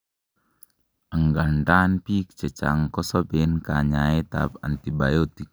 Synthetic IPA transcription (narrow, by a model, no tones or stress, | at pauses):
əŋɡandanpikt͡ʃət͡ʃa̰ŋkɔsɔbenkaɲaet̪a̰pa̰nt̪ibajot̪ik̚